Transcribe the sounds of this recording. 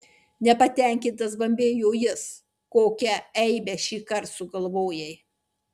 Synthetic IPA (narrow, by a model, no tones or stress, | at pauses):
nʲɛpɐt̪ʲɛˑŋʲkʲɪnt̪ɐs̬bɐmʲbʲeːjoːjɪs | koːkʲɛɛɪbʲɛʃʲiːkɐɾt̪sʊɡɐlˠʋoːjɛɪ